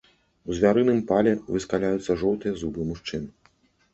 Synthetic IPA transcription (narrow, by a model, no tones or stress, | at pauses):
uzʲvʲaɾɨnɨmpalʲɛvɨskalʲajut̪sːɐʐɔwt̪ɨjɐzubɨmuʂt͡ʂɨnɨ